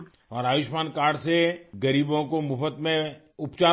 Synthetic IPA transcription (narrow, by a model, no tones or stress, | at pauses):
ɔːɾaːʋɪʃmaːnkaːɾɽseɡɐɾiːbõkomʊfət̪mẽ | ʊpt͡ʃaː